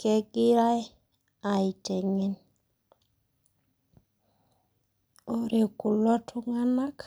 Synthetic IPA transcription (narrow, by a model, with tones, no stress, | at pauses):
ke˦ɡi˦ɾa˦j | a˨i˨te˨ŋe˦n | o˨ɾe˨ku˨lo˦tʰu˦ŋa˦na˦k